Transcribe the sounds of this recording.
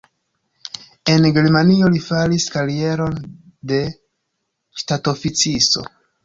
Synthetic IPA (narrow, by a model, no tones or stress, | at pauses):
e̞nɡe̞ɾmanio̞lifaliskaɾie̞ɾo̞n | de̞ | ʃtato̞fit͡siso̞̰